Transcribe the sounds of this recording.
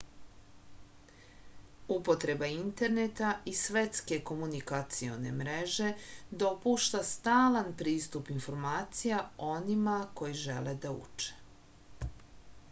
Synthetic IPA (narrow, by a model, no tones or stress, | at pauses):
upo̞t̪ɾe̞baint̪e̞ɾnet̪aisʋe̞t̪ske̞ko̞munikat̪sio̞̰ne̞̰mɾe̞ʒe̞d̪o̞puʃt̪ast̪aːlanpɾiːst̪upinfo̞ɾmaːt̪sijao̞nimako̞jiʒe̞̰le̞d̪aṵt͡ʃe̥